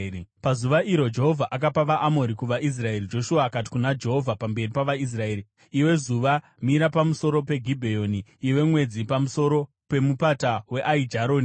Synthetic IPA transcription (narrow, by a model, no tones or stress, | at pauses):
pazuʋaʔiɾo̞d͡ʒe̞ɦo̞vʱaʔakapaʋaʔamo̞ɾikuʋaʔis̬rae̞rid͡ʒo̞ʃuaːkat̬i̥kunad͡ʒe̞ɦo̞vʱapambe̞ripaʋais̬rae̞ːɾi | iwe̞zuʋa | miɾapamuso̞ɾo̞pe̞ɡʱibʱejo̞niːwe̞mwe̞d͡zipamuso̞ɾo̞ | pe̞mupatawe̞ʔaid͡ʒaɾoːni